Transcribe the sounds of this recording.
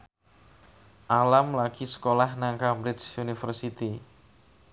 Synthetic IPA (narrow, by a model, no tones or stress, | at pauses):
ʔalamlaɡisə̥kolahnaŋkamɾɪsunifərsit̪i